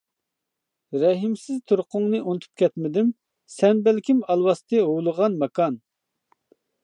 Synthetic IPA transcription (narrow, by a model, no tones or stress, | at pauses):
ɾɛɦɪmsɪzt̪ʰuɾqʰʊŋnɨʔunt̪ʰu̥p̚kʲʰɛt̪mɪd̪ɪm | sɛnbɛlkʲʰimɑlˠwɑst̪ɨɦowlˠəʁɑnmɛkɑn